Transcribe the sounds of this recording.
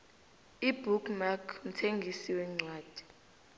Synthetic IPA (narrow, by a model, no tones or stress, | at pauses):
ibʱukmakʰm̩tʰeŋɡʱisiwɛŋ͡ǀʱwaːd̥ʱi̥